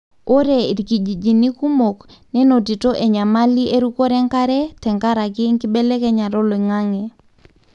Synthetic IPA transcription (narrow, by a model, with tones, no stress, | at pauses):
o˦ɾe˨i˨ɾki˨d͡ʒi˨d͡ʒi˨ni˦ku˦mo˨knɛ˦no˨ti˨to˦ʔe˨ɲa˨ma˦li˦ʔe˦ɾu˦ko˦ɾɛ˦ŋka˦ɾɛ˦tɛ˨ŋka˦ɾa˨kɪ˦ŋki˦be˦le˦kɛ˦ɲa˨ɾo˦lo˨i˨ŋa˦ŋe˨